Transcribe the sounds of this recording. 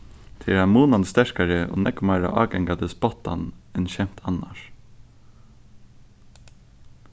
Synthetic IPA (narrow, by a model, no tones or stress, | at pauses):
t̪ʰɪɾamuːnanst̪ɛɹkaɹəɔ̰ːnɛkmaɹa̰ʔɑːɡɛŋkad̪ɪsbɔt̪ːa̰nɛnʃɛm̥t̪ʰanːa̰ʂ